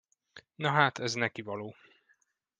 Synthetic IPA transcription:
nɒɦaːt̪ɛznɛkivɒloː

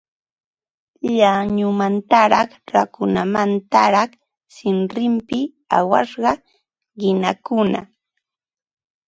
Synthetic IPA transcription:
ʎaɲʊmant̪aɾɑχɾakʊnamant̪aɾɑχ | sɪnɾɪmpɪ | a̰wɑ̰ʃɢɑ | ɢɪnakʊna

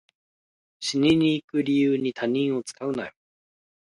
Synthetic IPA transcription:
ɕiɲiɲ̟iːkɯ̟ɾʲijɯːɲ̟it̪ʰaɲ̟ĩɰ̃o̞t͡sɨ̥kaɯ̟na̰jo

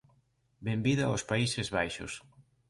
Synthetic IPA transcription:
bembiðaospaisɪzβajʃʊ̰s

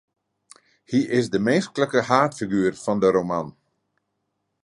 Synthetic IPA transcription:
hiʔɪsdəmeːskləkəhaːtfiɡyːərfɔndəɾoman

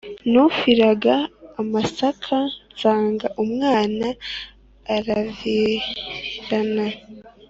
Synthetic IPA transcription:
nufiɾaɡaːmasakʰansaːŋɡaʔumŋaːnaː | ɾavi | ɾana

